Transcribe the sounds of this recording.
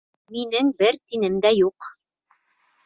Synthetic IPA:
minɘŋbɘɾt̪inɘmd̪æjuq

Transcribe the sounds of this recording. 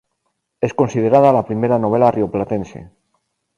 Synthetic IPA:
e̞sko̞nsið̞e̞ɾað̞alapɾime̞ɾano̞β̞e̞larioplat̪e̞nsḛ

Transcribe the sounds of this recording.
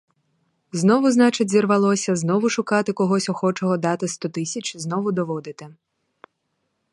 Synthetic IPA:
znɔʋʊznɑt͡ʃɪtʲzʲirʋɐlˠɔsʲɐznɔʋʊʃʊkɑt̪ɪkɔɦɔsʲɔxɔt͡ʃɔɦɔd̪ɑt̪ɪst̪ɔt̪ɪsʲɐt͡ʃʲznɔʋʊd̪ɔʋɔd̪ɪt̪ɪ

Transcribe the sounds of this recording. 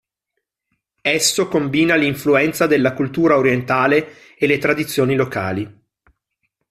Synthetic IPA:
ɛsːokombiːnaliɱfluɛnt̪sad̪elːakult̪uːɾaoɾjent̪aːleː | lːet̪ɾad̪it̪sːjoːniloka̰ːli

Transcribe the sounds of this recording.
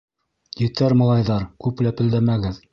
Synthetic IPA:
jɘ̆t̪æɾmɑ̆lˠɑjðɑɾkʉplæpɘ̆ld̪æmæɡɘð

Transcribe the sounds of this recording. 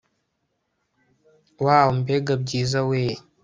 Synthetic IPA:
waːwom̩beɡab̚ɟiːzaweː

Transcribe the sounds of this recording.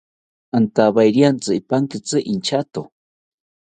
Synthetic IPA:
ant̪aβajɾijant͡sɨipaŋkit͡sɨʔint͡ʃat̪o

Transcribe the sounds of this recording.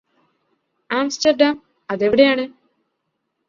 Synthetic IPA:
aːmsʈɐɾɖaːm | ɐd̪eʋiɽejaːɳe

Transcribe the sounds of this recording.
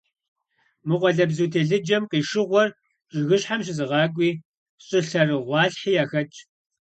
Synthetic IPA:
mɨqʷɔɮɐbzuːtʰeːɮɨd͡ʒɐmqiːʂɨʁʷɔr | t͡ʃʼɪɣɨɕħamɕ̬ɪzɨʁɑːɡʷʼiː | ɕʼɪɬɐrɨʁʷɑːɬħiːjaːxɐt͡ʃʼ

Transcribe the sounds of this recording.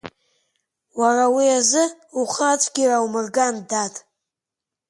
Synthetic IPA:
warawiazɨuχat͡ʃʷʼɡʲirawumɨrɡandatʼ

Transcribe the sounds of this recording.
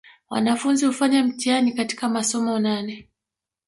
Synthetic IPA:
wa̰nafunzihufaɲam̩tianikati̥kamasɔmɔnanɛ

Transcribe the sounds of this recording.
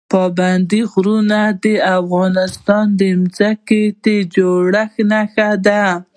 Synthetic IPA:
pɑband̪iɣɾunad̪əafɣɑnɪst̪ɑnd̪əmzaket̪ed͡ʒoɽaxnaxad̪a

